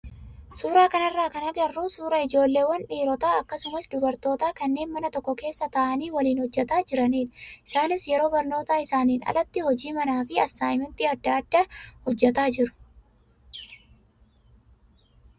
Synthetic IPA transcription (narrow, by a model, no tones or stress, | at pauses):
suːɾaːkɐnɐrːaːkɐnɐɡɐrːusuːɾɐɪd͡ʒo̞ːlːe̞ːwɐnᶑiːɾɔt̪aːɐkːɐsʊmɐsd̪ʊbɐɾt̪o̞ːt̪aːkɐnːe̞ːnmɐnɐt̪ɔkːɔke̞ːsːɐt̪ɐʔɐniːwɐliːnhɔd͡ʒːɛt̪aːd͡ʒɪɾɐniːnɪsaːnɪsjɛɾo̞ːbɐɾno̞ːt̪aːɪsaːniːnɐ̰lɐt̪ːɪhɔd͡ʒiːmɐnaːfɪɐsaːjmɪnt̪iːɐd̪ːaːd̪ːahɔd͡ʒːɛt̪aːd͡ʒɪɾʊ̥